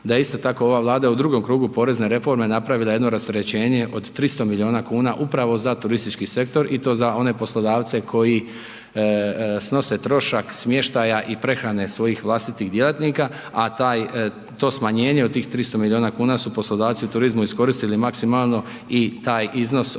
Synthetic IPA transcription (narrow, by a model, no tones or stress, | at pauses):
d̪ajeist̪o̞t̪ako̞o̞ʋaːʋlˠaːd̪ajeud̪ɾuɡo̞mkɾuːɡupo̞ɾe̞zne̞ɾe̞fo̞ɾme̞napɾaʋilˠaje̞d̪no̞ɾast̪eɾe̞t͡ɕe̞ːɲe̞ʔo̞d̪t̪ːɾist̪omilio̞ːnakuːnaʔupɾaʋo̞zat̪uɾist̪it͡ʃkise̞k̚t̪o̞ɾʔit̪o̞ːzao̞ne̞po̞slˠo̞d̪aːʋt̪se̞kʰo̞ji | sno̞se̞t̪ɾo̞ʃaksmje̞ʃt̪ajaʔipɾe̞xɾane̞sʋo̞jixʋlˠast̪it̪iːɣd̪je̞lˠat̪niːka | at̪aːj | t̪o̞ːsmaɲe̞ːɲe̞od̪̚t̪iːxt̪ɾist̪o̞milʲioːnakuːnasupo̞slˠo̞d̪aːʋt̪siut̪uɾizmuisko̞ɾist̪ilimaksimaːlˠno̞ | it̪aːjʔizno̞s